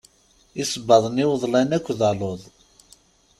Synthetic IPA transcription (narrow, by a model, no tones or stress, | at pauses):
isəbːɑðˤəniwəðˤlænækʷːðɑloðˤ